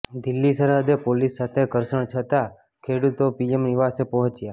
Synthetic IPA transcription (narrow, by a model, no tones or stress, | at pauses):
d̪ilːisəɾəd̪epolisːat̪ʰekəɾʃəɳ̃t͡ʃʰət̪a | kʰeɽut̪opiemniʋasepəɦə̃t͡ʃja